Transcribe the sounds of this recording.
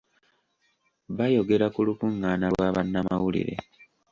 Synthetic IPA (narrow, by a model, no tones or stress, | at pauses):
βajo̞ɡe̞ɾakulukuŋɡaːnalwaβanːamawulḭɾḛ